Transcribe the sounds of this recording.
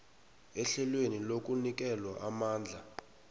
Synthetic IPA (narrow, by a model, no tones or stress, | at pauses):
ɛɬɛlwenilok̬ʼunik̬ʼɛlwaʔamaːnd͡ɮʱa